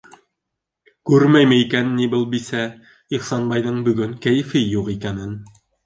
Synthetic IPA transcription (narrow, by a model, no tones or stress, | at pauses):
kʉɾmæjmɘikænːibɘlˠbisæ | iχsɑnbɑjðɤɴbɵ̆ɡɵŋkæjɘ̆fɘjuqikænɘn